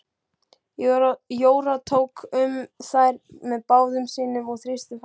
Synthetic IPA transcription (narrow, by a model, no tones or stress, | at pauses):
joːwɾat̪ʰoːwkʏmsajɾmɛðpaːwðʏmsiːnʏmɔɣθɾɪst̪ʏf